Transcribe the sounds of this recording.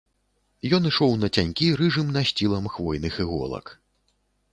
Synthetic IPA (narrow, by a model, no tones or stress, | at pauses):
jɔnɨʂɔwnɐt͡sʲanʲkʲiɾɨʐɨmnɐɕʲt͡sʲilˠɐmxvɔjnɨxɨɣɔ̰lˠɐ̰k